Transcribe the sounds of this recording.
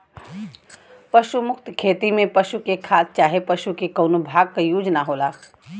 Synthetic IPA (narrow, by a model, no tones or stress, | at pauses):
pəʃumʊk̚t̪kʰeːt̪imẽpəʃukekʰaːt̪̚t͡ʃaːɦepəʃukekoːnobʱaːɡ̚kajuːd͡ʒnaɦoːlaː